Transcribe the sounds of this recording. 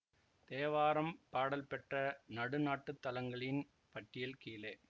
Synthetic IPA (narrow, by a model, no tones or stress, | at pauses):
t̪eːʋaːɾɐmpaːɽɐlpɛʈrɐnɐɽɯnaːʈːɯt̪ːɐlɐŋɡɐɭɪn | pɐʈːɪjɐlkiːlɐː